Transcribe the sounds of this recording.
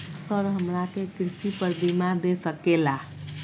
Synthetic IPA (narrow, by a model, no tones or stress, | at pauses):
səɾɦəmɾakekɾisipəɾbimaɾd̪esəkela